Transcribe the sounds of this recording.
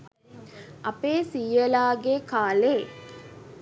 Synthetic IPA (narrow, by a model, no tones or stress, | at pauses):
ʔɐpeːsiːjəlaːɡekaːleː